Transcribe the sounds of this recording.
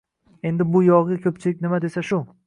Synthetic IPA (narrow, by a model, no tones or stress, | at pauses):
e̞nd̪ɪbʊjɒʁɪkʲʰɵpt͡ʃʰɪlɪk̚ʲnɪmad̪e̞saʃʊ